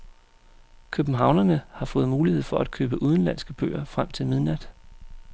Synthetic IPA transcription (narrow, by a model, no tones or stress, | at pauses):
kʰøb̥n̩ɦɑ̈ʊnɐnəhɑ̈fɔ̽ːð̞̩ˠmuːlihe̝ð̞̰ˠfɒ̽ʔæd̥̚kʰøːb̥əʔuð̞ˠn̩læn̰sɡ̥əb̥ø̰ːɐfʁam̰t͡sʰe̝lmið̞ˠnæd̥